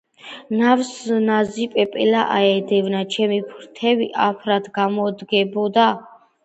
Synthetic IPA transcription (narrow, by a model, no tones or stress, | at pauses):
navsnazipʼɛpʼɛlaʔaɛd̪ɛvnat͡ʃʰɛmipʰɾt̪ʰɛviʔapʰɾad̪ɡamɔd̪ɡɛbɔd̪a